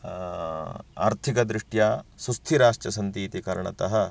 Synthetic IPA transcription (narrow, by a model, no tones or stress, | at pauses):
a̰ːɾt̪ʰikɐd̪ɾiʂʈjaːsust̪ʰiɾaːʂʈɐsɐnt̪iːt̪ikɐɾɐɳɐ̰t̪ɐɦɐ